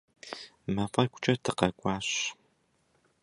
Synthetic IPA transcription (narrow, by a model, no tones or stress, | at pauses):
mɐqʼɐkʷʰʼʊ̥t͡ʃʼɐtʰɨqɐkʷʼɑːɕ